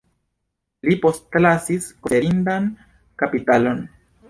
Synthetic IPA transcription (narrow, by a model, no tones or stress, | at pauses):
lipo̞stlasiskoeɾindan | kapitalo̞n